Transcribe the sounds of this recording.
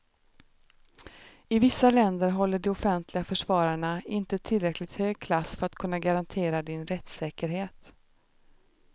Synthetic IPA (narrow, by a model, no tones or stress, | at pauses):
ɪvɪsːalɛnd̪əɾɦɔlːəɖɛɔfɛnt̪ʰlɪɡafœʂvɑːɾaɳaɪnt̪ət̪ʰɪlɾɛklɪt̪høːɡ̚kʰlasfœɾat̪kʰɵnːaɡaɾant̪ʰeːɾad̪ɪnɾɛt̪sɛːkəɾɦeːt̪